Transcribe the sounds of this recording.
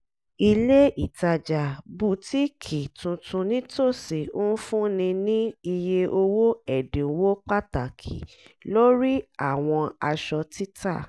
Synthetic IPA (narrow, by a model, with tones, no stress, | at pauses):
i˧le˦i˦˨ta˧d͡ʒa˨bu˦˨ti˦kʰi˨tũ˧tũ˧nĩ˦to˦˨si˨o˦n̩˦fũ˦nĩ˧nĩ˦i˧je˧ʔo˧wo˦ɛ˨dĩ˨wo˦k͡pa˦ta˨kʰḭ˨ | lo˦ɾi˦a˦˨w̃ɔ̃˧a˧ʃɔ˧ti˦tʰa˦˨